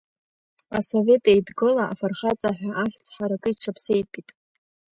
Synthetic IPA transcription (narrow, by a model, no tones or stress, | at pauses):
asove̞tʼejdɡɨlaa̰farχat͡sʼaħᶣaʔaɬt͡sʰʼħaɾakʼɨiʈ͡ʂʰapʰsejt̚ʼpʼitʼ